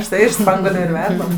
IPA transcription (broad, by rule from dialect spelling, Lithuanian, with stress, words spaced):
ʊʃˈtɐɪ ɪʃ ˈspɐŋɡuɔlʲʊ ɪr ˈʋʲɛrdɐm